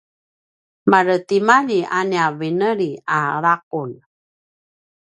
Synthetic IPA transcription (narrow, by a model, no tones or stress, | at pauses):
maɾətimaʎiʔaniavinəɾiaɾaq̚un